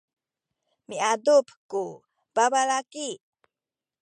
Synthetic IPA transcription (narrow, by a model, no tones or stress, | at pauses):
miadupku | babalaki